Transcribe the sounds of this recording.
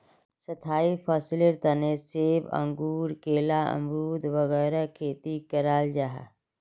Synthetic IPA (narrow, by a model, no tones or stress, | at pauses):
sət̪ʰaːipʰaːsɪlɪɾt̪əneseːbə̰̃ŋɡuːɾkeːlaə̰mɾuːd̪ʱʋəɣɛːɾakʰeːt̪ikəɾaːld͡ʒaɦa̰